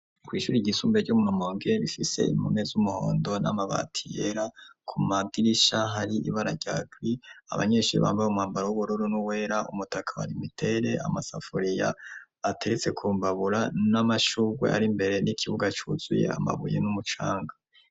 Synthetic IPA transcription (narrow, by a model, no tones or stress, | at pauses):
kwiːʃuɾiɟisuːmbeɟumunomoːŋɡeβifise̞̰ḭmomezumuho̰ːndo̞namaβa̰tʰijeɾakʰumaɡiɾiʃaɦaɾiʔḭβaɾaɾɟaːɡwia̰βa̰ɲe̞ːʃuɾḭβa̰ːmbajumhaːmbaɾawuβuɾoɾonuwe̞ːɾaʔumutʰakʰaha̰ɾimitʰe̞ɾe̞a̰masa̰foɾija̰ː | tʰe̞ɾet͡se̞kʰuːmbaβuɾanamaʃuɡwe̞̰ʔa̰ɾimbe̞ɾe̞nikʰiβuɡat͡ʃuz̥uje̞̰a̰ma̰βujḛnumut͡ʃaːŋɡa